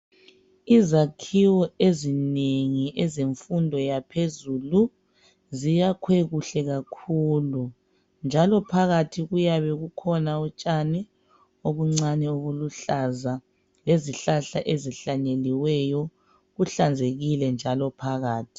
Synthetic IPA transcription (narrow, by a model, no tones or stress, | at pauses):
izakʰiwɔezineŋiʔɛzeɱfundʱɔjapʰezulu | zijakʰweɣuɬɛɣakʰuːlu | nd͡ʒʱalɔpʰaɣatʰiɣujaβɛɣukʰɔnaɔt͡ʃʼanɛ | oβuŋ͡ǀanɛoβuluɬaza | leziɬaɬaʔeziɬaɲeliwɛjɔ | ɣuɬand͡zʱeɣilɛnd͡ʒʱalɔpʰaɣaːtʰi̥